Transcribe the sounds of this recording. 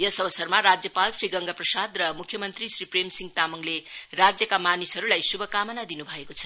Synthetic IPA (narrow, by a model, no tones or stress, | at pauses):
jʌsʌbʌsʌrmaɾad͡zjʌpalsriɡʌŋɡaprʌsad̪rʌmukʰjʌmʌnt̪risripremsiŋt̪amuŋlerad͡zjʌkamanisɦʌɾulajsubʱʌkamʌnad̪inubʱʌekot͡sʰʌ